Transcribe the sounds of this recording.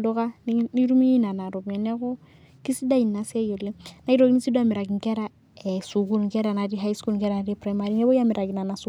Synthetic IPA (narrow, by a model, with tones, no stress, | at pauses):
do˦ka˦nni˦ɾu˦mi˦ji˦na˨na˨ɾo˨bɲɛ˨nɛ˦ko˦ | ki˦si˦da˦i˨nːa˨sɛ˦je˨lːe˦na˦i˦ɾo˨ɡi˦ni˦si˦da˦mi˨ɾa˨ɡi˨ŋ̩˨kɛ˦ɾa˦ | ɛ˨su˨ɡu˦lŋ˨kɛ˦ɾa˨na˨di˦ɦa˦jsku˦lŋkɛ˦ɾa˨na˨˦di˦pɾa˨ma˨ɾi˦nɛ˦bo˦ja˦mi˨ɾʔa˨ɡi˨na˨na˨su˨